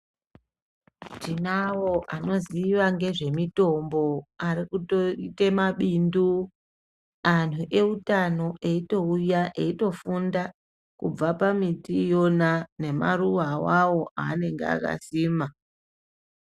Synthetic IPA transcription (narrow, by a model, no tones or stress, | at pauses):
ʐinawo̞ʔano̞ziʋaŋɡe̞ʐe̞mito̞mbo̞aɾikutoite̞maɓindu | an̤uʔe̞utano̞ʔe̞ito̞ujaʔe̞ito̞funda | kṵb͡vapamitijo̞nane̞ma̰ɾuʋawawo̞aːne̞ŋɡḛa̰ka̰siːma